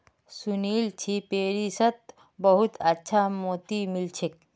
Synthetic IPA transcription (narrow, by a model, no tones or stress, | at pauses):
suniːlt͡ʃʰipeːɾisət̪ | bəɦut̪ʰɐtːʃʰamoːt̪imilt͡ʃʰek̚